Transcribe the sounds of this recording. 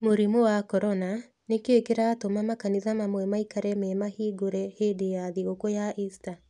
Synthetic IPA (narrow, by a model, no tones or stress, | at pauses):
moɾimowakɔɾɔna | nekeːkeɾaːtomamakaniðamamwɛmaikaɾɛmɛmahiːɡoɾɛhedejaðiɣokojaʔista